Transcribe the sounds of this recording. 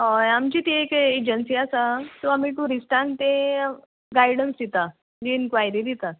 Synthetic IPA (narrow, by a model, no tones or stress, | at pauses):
ɦajamt͡ɕit̪eeked͡ʑənsiasat̪oamit̪ũɾisʈãnt̪ẽ | ɡajɽənsd̪it̪a | d͡ʑiinkʋajɾid̪it̪a